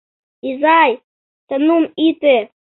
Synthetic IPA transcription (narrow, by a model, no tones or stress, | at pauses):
izaj | t̪anumit̪e